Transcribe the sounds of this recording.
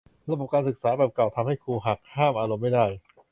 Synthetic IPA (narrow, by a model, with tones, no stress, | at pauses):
ɾa˧˥˧bo˨˩p̚kaː˧nsɯ˨˩k̚saː˩˦bɛː˨˩p̚ka˨˩wt̪ʰa˧mha˥˩jkʰuː˧ɦa˨˩k̚haː˥˩mʔaː˧ɾo˧mːa˥˩jdaː˥˩j